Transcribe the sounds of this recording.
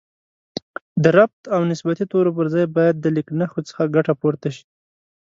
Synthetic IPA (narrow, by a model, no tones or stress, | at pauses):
d̪əɾab̚t̪awnɪsbat̪it̪oɾop̬əɾzɑjbɑjad̪̚ːəlɪknaxot͡sə̥xaɡaʈapoɾt̪aʃi̥